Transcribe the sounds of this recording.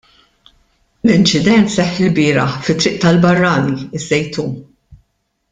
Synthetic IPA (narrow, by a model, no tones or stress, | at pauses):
lɪnt͡ʃɪd̪ɛnt̪sɛħːɪlbɪːɾɐħfɪt̪ːɾɪʔt̪ɐlbɐrːɐːniɪzːɛjt̪uː